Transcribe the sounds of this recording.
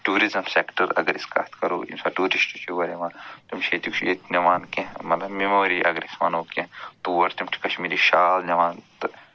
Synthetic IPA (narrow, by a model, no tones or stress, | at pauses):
ʈuːɾizɐmsekʈəɾɐ̰ɡɐɾiska̰ːt̪kɐɾo̰ːḭnsaːʈuːɾisʈut͡ʃʰiʋɐɾeʋãːt̪umʃʰet̪ikt͡ʃʰjet̪nɐʋaːnkemɐt̪lɐbmemoːɾiʔɐ̰ɡɐɾisʋa̰ːnoːket̪uʋɐɾt̪imʈʰi̥kɐʃmiːɾiʃaːlnɐʋaːnt̪